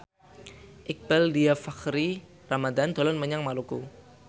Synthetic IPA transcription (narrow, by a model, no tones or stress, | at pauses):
ʔɪk̚b̥aldiafakɾi | ramad̪and̪̥ɔ̤lɔnməɲaŋmaluku